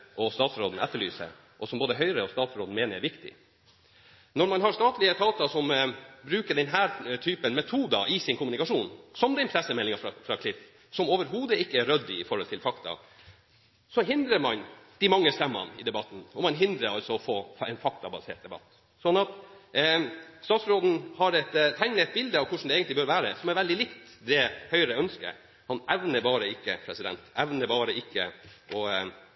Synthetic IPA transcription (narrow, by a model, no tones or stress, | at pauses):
ʔɔst̪ɑːt̪sɾoːd̪n̩ɛt̪ːəɭy̰ːsə̰ | ʔɔsɔmboːd̪əɦœʏɾəɔst̪ɑːt̪sɾoːd̪n̩meːnəɾɛɾʋɪkt̪ɪ̰ | nɔɾmɑnɦɑɾst̪ɑːt̪lɪət̪ʰɑːt̪ɑsɔmbɾʉːkəɖɛnɦæːɾt̪ʰyːpənmɛt̪ʰuːd̪ɑʔɪsɪnkʰʊmʉnɪkɑʂuːnsɔmd̪ɛnpʰɾɛsːəmɛlːɪŋɑɾɑfɾɑkʰlɪf | sɔmoːʋəɾɦuːd̪əɪkːəæɾœd̪ːɪɪfɔɾhɔlt̪ʰɪlfɑkt̪ɑ̰ | sɔɦɪnd̪ɾəɾmɑnd̪̥ɪmɑŋːəst̪ɛmːə̰nɪd̪ɛbɑt̪ːn̩ɔmɑnɦɪnd̪ɾəɾɑlsɔɔfoːɛ̰nfɑk̚t̪ɑbɑsḛːʈ̚d̪ɛbɑ̰t̪ː | sɔnːɑt̪ | st̪ɑːt̪sɾoːd̪n̩hɑɾɛt̪t̪ʰæɪnnɛt̪̚bɪld̪əɑʋkʰʊʂɳ̩d̪ɛeːɡənt̪lɪbœːɾʋæːɾə̰sɔmɛɾʋɛld̪ɪlɪkt̪ | d̪ɛhœʏɾəœnskə̰ | hɑnɛʋnəɾbɑːɾəɪkːə̰pʰɾɛsɪd̪ɛ̰nt̪ɛʋnəbɑːɾəɪkːə̰ʔɔ